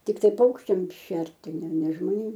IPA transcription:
tʲɪkˈtɐɪ ˈpɐʊkʃʲt͡ʃʲɛm ˈʃʲɛrʲtʲɪ nʲɛ nʲɛ ʒmoːˈnʲeːm

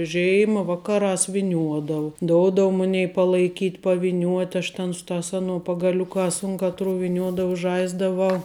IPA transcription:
ˈʒʲeːɪmɐ ˈʋɑːkɐˌrɑːs ʋʲɪˈnʲuɔdɐʋʊ ˈdoːʊdɐʋʊ ˈmʊnʲɛɪ pɐlˠɐɪˈkʲiːt pɐʋʲɪˈnʲuɔtʲ ɐʃ tʲɛn ˈsʊ ˌtɑːs ˈɑːnuɔ pɐɡɐˈlʲʊkɑːs ʊn ˈkɑːtˌrʊ ʋʲɪˈnʲuɔdɐʊ ˈʒɐɪzdɐʋɐʊ

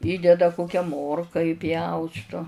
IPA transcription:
ˈiːdʲɛdɐ ˈkoːkʲɛ ˈmoːrkɐ iːˈpʲjɛʊstʊ

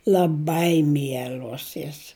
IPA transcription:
lʲɐˈbɐɪ ˈmʲiɛlʲoːs joːs

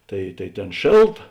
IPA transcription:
ˈtɐɪ tɐɪ ˈtʲeːn ˈʃʲeːlˠˌtɐ

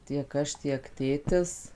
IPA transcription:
tʲiɛk ˈɐʃ tʲiɛk ˈtʲeːtʲɪs

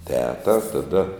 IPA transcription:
ˈtʲæːtɐ tɐˈdɐ

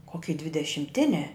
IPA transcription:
koːˈkʲiː dʲʋʲɪdʲɛʃʲɪmʲˈtʲɪnʲæː

